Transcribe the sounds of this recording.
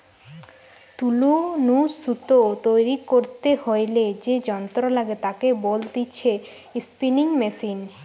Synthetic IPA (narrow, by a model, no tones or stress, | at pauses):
t̪ulunuut̪ot̪ojɾikoɾt̪ehojled͡ʑed͡ʑɔnt̪ɾolaɡet̪akebold̪iːɕʰe | spiniŋmesin